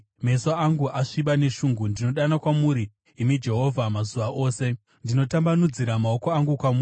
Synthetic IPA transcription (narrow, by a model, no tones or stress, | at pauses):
me̞soaŋɡuʔaʂiɓane̞ʂuːŋɡundino̞ɗanakwamuɾiː | mid͡ʒe̞ɦo̞vʱamazuʋaʔo̞ːse̞ | ndino̞tambanud͡ziɾamaoko̞aŋɡukwamui